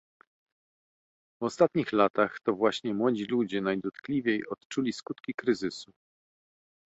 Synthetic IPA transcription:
vɔst̪at̪ɲixlat̪axt̪ɔvwaɕɲɛmwɔd͡ʑilud͡ʑɛnajd̪ɔt̪klʲivʲjejʔɔt̪t͡ʂulʲiskut̪kʲikɾɘzɘsu

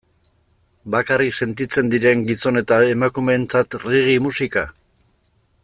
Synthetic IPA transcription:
bakarikse̞nt̪it͡se̞nd̪iɾe̞ŋɡiso̞ne̞t̪ae̞makume̞ːnt͡sat̪riɣ̞imusika

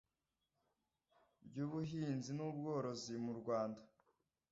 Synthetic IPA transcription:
bɟuːβuɦiːnzinub̚ɡo̞ːɾo̞zimuɾɡwaːnda

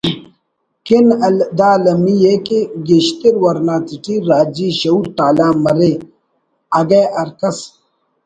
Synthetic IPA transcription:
kinɐld̪aːlɐmijekiɡiɕt̪iɾwɐɾnaːt͡s̪iʈiɾaːd͡ʑiːɕɐuɾt̪aːlaːmɐɾe | ɐɡeːʔɐɾkɐs

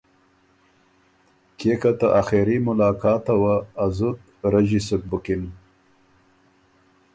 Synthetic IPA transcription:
kekat̪aʔaxeɾimʊlɑːkɑːt̪awaːzut̪̚ | ɾaʒisuk̚bukin

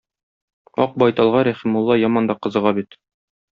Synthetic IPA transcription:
ɒq̚bɒjt̪ɑlˠʁɑɾæχimulˠːɑjɒmɑnd̪ɑqɤ̆zɤ̆ʁɑbit̪

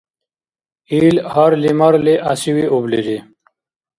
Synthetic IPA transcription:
iːlhaɾlimɐɾleʔasiwiobled͡ʑe

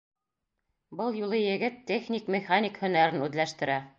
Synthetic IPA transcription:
bɤlˠjulˠɤjɘ̆ɡɘt̪ːʲeχnʲikmʲeχanʲikhɵ̆næɾɘnʉðlæʃt̪ɘ̆ɾæ

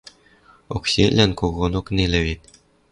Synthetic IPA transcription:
okɕʲelʲɘ̆nʲkoɣonŏknʲelʲɘ̆βʲit̪̚ʲ

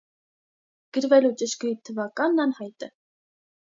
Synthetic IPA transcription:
ɡ̥əɾvɛlut͡ʃəʃkujit̪ʰːəvɑkɑnːɑnhɑjt̪ə

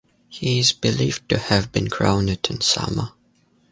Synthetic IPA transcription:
hiɪzbɨlivtɨhɨvbɨ̃nkʰɹ̥õʊ̃nɨɾɨ̃nsʌ̰mə

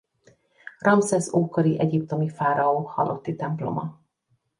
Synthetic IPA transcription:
rɒmsɛzoːkoɾiʔɛɟipt̪o̞mifaːɾɒoːhɒlʔo̞t̪ːit̪ɛmplo̞̰mɒ

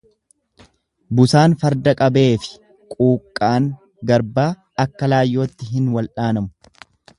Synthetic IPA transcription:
bʊsaːnfɐɾd̪ɐkʼɐbe̞ːfɪ̥ | kʼuːkʼːaːŋ | ɡɐɾbaː | ɐkːɐlaːjːo̞ːt̪ːɪɦɪnwɐlᶑaːnɐmʊ̥

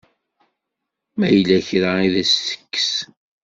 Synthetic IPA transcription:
mæjəlːæçɾaiðæsθə̥kːə̥s

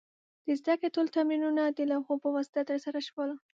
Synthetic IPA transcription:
d̪̥əzd̪akɽetolt̪aminunad̪əlawxopəwast̪at̪əɾsaɾaʃwəl

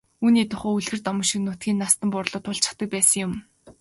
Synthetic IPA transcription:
uːniːt̪ʰʊχoːuɮɣɘ̆rt̪ɔmɞ̆ʃĭknʊːt̪̚ɡʲiːnːast̪ə̆mpʊrɮʊːt̪ʰʊɮt͡ɕə̥̆χt̪ə̆k̚pæːsə̆ŋjʊm

